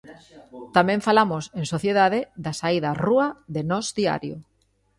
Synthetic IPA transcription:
t̪amɛ̃ɱfalamoseŋsoθjeðaðeðasaiðaruaðenɔzd̪ia̰ɾjo

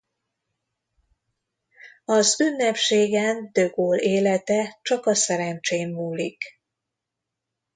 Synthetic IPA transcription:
ɒzynːɛpʃeːɡɛnd̪ø̞ɡoːleːlɛt̪ɛt͡ʃɒkɒsɛɾɛnt͡ʃeːmːuːlik

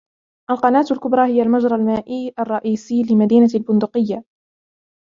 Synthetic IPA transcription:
ʔalqɑnaːt̪alkʊbɾˤɑːhɪjːalmad͡ʒɾˤɑlmaːʔiːʔɑrˤːɑʔiːsiːlɪmad̪iːnalbʊnd̪ʊqɪjːa

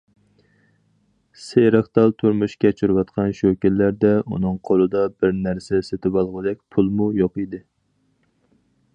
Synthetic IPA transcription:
seɾɑχt̪ɑlˠt̪ʰuɾmuʃkʲɛt͡ʃʰuɾwɑt̪qʰɑnʃøkʲɪlːæɾd̪ɛṵnɨŋqʰolˠɨd̪ɑbɪɾnæɾsɛset̪ʰɪbɑlˠʁəd̪ɛk̚ʲpʰulˠmujoqid̪ɪ

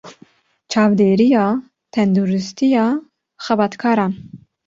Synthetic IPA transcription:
t͡ʃʰɑːvd̪eːɾijɑː | t̪ʰɛnd̪uːɾɨst̪ʰijɑː | xɛbɑːt̪kʰɑːɾɑːn

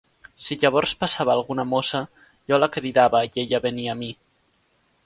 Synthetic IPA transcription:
siʎaβ̞ɔɾspasaβaːlˠɣunamosa | ʒɔlakɾiðaβəeʎaβeniami

